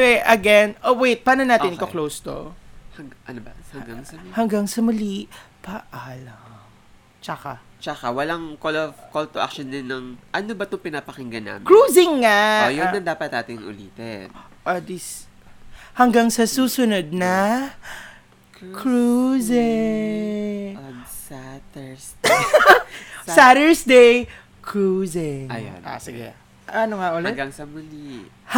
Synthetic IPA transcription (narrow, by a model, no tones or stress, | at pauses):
ɛʔɐɡɛnʔowejt̪̚paːnonaːtɪnʔɪkoklowst̪o̰hɐnhɡaŋhɐŋɡaŋsɐmɐliʔpɐʔaːlɐ | t͡ʃɐka | t͡ʃɐkawɐlaŋkolovkolt̪oʔa̰k̚ʃond̪ɪnːɐŋʔɐnobɐt̪ʊŋpɪnaːpɐkɪŋɡɐna̰mɪkɹuːzɪŋːaojoɐŋd̪aːpɐt̪̚naːt̪ɪŋʔʊ̰lḭːt̪ɛ | ʔɐd̪is | hɐŋɡaŋsɐsuːsʊnod̪̚nɐ | kɹuzɪ | sat̪ɛs | saɾɛɹsd̪ej | kʰɹuzɪŋɐjo̰na̰sɪɡɛ | ɐnoŋɐʔolt̪ɡaŋsɐmʊli | h